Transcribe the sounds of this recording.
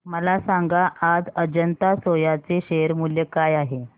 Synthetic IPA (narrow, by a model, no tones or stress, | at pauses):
məlasaŋɡaʔːd͡zəd͡ʑənt̪asojat͡seɕeɾmuljekajaɦe